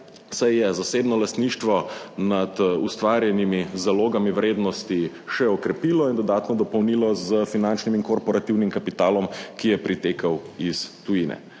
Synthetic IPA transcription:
sajjɛzaseːbnɔlast̪niːʃt̪ʋɔnad̪ust̪ʋaːɾjɛnimizaloːɡamiwɾeːd̪nɔst̪i | ʃɛɔkɾɛpiːlɔind̪ɔd̪aːt̪nɔd̪ɔpɔwniːlɔzəfinant͡ʃnimiŋkɔɾpɔɾat̪iwnimkapit̪aːlɔmkijɛpɾit̪eːkɐwist̪ujinɛ̰

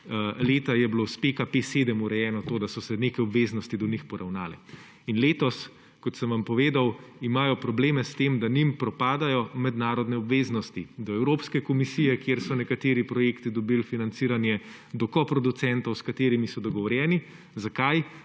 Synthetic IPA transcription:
leːt̪ajɛblospekapeseːd̪əmuɾɛjɛːnɔt̪oːd̪asɔsɛneːkɛjɔbʋeznɔst̪id̪ɔnixpɔɾawnaːlɛ̰ | inleːt̪ɔs | kɔt̪səmʋampɔʋeːd̪awimaːjɔpɾɔbleːmɛst̪emd̪animpɾɔpaːd̪ajɔmɛd̪naːɾɔd̪nɛɔbʋeːznɔst̪id̪ɔɛwɾoːpskɛkɔmisijɛkjeɾsɔnɛkat̪eːɾipɾɔjeːkt̪id̪ɔbilfinant̪siːɾanjɛ | d̪ɔkɔpɾɔd̪ut̪sɛnt̪ɔwskat̪eːɾimisɔd̪ɔɡɔʋɔɾjɛːni | zakaj

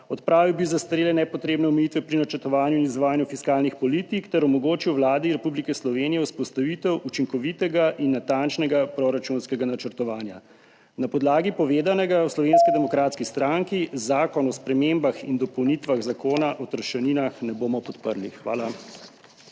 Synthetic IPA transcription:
ɔt̪pɾaːʋiwbizast̪ɾeːlɛnɛpɔt̪ɾeːbnɛɔmɛjit̪ʋɛpɾinat͡ʃəɾt̪ɔʋaːnjuinizʋaːjanjufiskaːlnixpɔlit̪ikt̪ɛɾɔmɔɡoːt͡ʃiwʋlaːd̪iɾɛpublikɛslɔʋeːnijɛuspɔst̪aʋit̪ɛwʔut͡ʃiŋkɔʋit̪ɛɡaʔinːat̪ant͡ʃnɛɡapɾoɾat͡ʃunskɛɡanat͡ʃəɾt̪ɔʋaːnja | napɔd̪laːɡipɔʋeːd̪anɛɡawslɔʋenskid̪ɛmɔkɾaːt̪skist̪ɾaŋkizaːkɔnɔspɾɛmembaxind̪ɔpɔwnit̪ʋaɣzakoːnaʔɔt̪əɾʃɛninaxnɛboːmɔpɔt̪pəɾlixʋa̰ːla

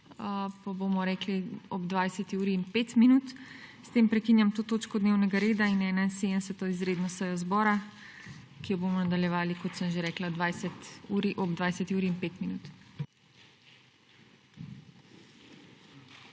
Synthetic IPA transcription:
əpabomɔɾɛːkliɔbd̪ʋaːjsɛt̪iuːɾiːnpet̪minut̪st̪empɾɛkinjamt̪oːt̪oːt͡ʃkɔd̪newnɛɡaɾeːd̪ainɛnansed̪əmsɛt̪ɔizɾeːd̪nɔsəjɔzbɔːɾa | kijɔbomɔnad̪aljɛʋaːlikɔt̪səmʒeɾɛːklad̪ʋaːjsɛt̪uːɾiʔɔbd̪ʋajsɛt̪iuːɾiːnpet̪minuːt̪

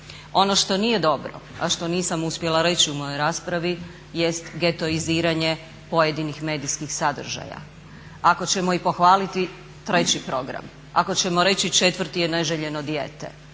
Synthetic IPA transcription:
o̞no̞ʃt̪o̞niːje̞d̪o̞bɾo̞̰a̰ʃt̪o̞niːsamuspʲje̞laɾe̞t͡ɕiumo̞jo̞jɾaːspɾaʋi | je̞st̪ɡe̞t̪o̞iziːɾaɲe̞ | po̞jed̪inixme̞ːd̪iskixsad̪r̩ʒa̰ja̰ | ako̞t͡ɕemo̞ipo̞xʋaːlit̪i | t̪ɾe̞t͡ɕipɾo̞ɡɾa̰m | a̰ko̞t͡ɕe̞mo̞ɾe̞t͡ɕit͡ʃe̞t̪ʋrɾt̪ijeneʒeʎe̞no̞d̪jeːt̪ḛ

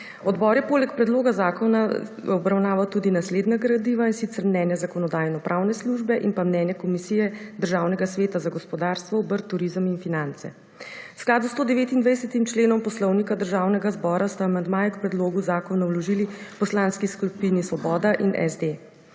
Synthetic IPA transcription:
ɔd̪bɔɾjɛpoːlɛkpɾɛd̪loːɡazaːkɔna | ɔbɾawnaːʋat̪uːd̪inasleːd̪naɡɾad̪iʋainsit̪sɛɾmnɛːnjazakɔnɔd̪aːjnɔpɾʔawnɛsluʒbɛʔinpamnɛːnjakɔmisijɛd̪əɾʒawnɛɡasʋeːt̪azaɡɔspɔd̪aːɾst̪ʋɔɔbəɾt̪ːuɾizəminfinant̪sɛ̰ | wsklaːd̪ust̪oːd̪ɛʋeːt̪ind̪ʋajsɛt̪imt͡ʃleːnɔmpɔslɔwnikad̪əɾʒaːwnɛɡazbɔːɾast̪aːmand̪maːjɛkpɾɛd̪loːɡuzaːkɔnawlɔʒilipɔslanskiskupinisʋɔbɔːd̪aʔinʔɛ̰zd̪e

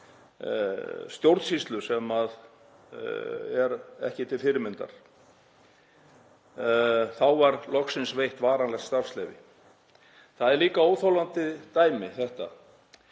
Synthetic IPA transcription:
st̪jowɾt̪sist̪lʏsɛmað | ɛ̰ɾɛ̰hcɪt̪ʰɪlfɪɾɪmɪnt̪a̰ɾ̥ | θawvaɾlɔxsɪnsvejht̪vaːɾanlɛxt̪st̪afslɛvɪ̰ | θaðɛɾliːkaowθowlant̪ɪt̪aːjmɪθɛht̪a̰

